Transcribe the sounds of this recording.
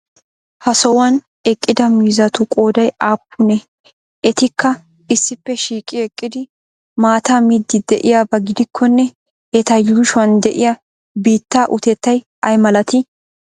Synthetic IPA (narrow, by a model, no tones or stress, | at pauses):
hɐsɔwɐn | ɛkʼːɪd̪ɐmiːzɐt̪ʊkʼo̞ːd̪ɐjaːpːʊnɛ | ɛt̪ɪkːɐ | ɪsːɪpːɛʃiːkʼːɪɛkʼːɪd̪ɪ | maːt̪aːmɪd̪ːɪd̪ɛʔɪjabɐɡɪd̪ɪkʰːɔnːɛ | ɛt̪ɐjuʃwɐnd̪ɛʔɪjɐ | biːt̪ːaːʔʊt̪ɛt̪ːɐj | ɐjmɐlɐt̪ɪ